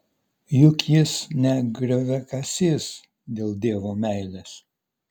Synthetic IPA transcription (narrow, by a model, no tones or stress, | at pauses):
jʊkjɪsnʲɛɡɾʲʋʲɛkɐsʲɪs | d̪ʲeːlˠd̪ʲeːʋoːmʲæɪlʲeːs